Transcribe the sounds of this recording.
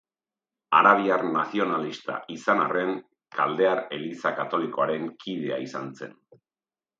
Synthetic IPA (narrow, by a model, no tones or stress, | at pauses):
aɾaβ̞iaɾnasio̞nalist̪a̰isanare̞ŋ | kʰald̪e̞aɾe̞lisakat̪o̞liko̞aɾe̞ŋkʰið̞e̞a̰isant͡se̞̰n